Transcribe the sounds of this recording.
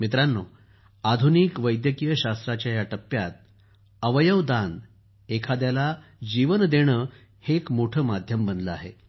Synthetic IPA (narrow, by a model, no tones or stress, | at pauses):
mit̪ɾanːo | ad̪ʱunikʋəjd̪jəkijəɕast̪ɾat͡ɕjajaʈəpːjat̪̚ | əʋəjəʋd̪an | ekʰad̪jalad͡ʑiʋənd̪eɽ̃əː | hekmoʈʰəmad̪ʱjəmbənd̪ləa̰ɦḛ